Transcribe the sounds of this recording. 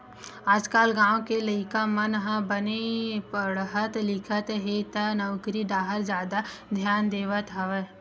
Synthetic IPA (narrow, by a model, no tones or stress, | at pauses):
aːd͡ʒkaːlɡãːõkeləɪkamənɦə̃bənepəɽɦət̪lɪkʰət̪ɦet̪ənɐʋkɾiɖaːɦəɾd͡ʒjaːd̪ad̪ʱjaːnd̪eːʋət̪ɦɐʋe